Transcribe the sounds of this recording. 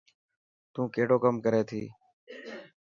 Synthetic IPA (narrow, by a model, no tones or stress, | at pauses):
t̪ũːkeːɽoːkəmkəɾeːt̪ʰḭː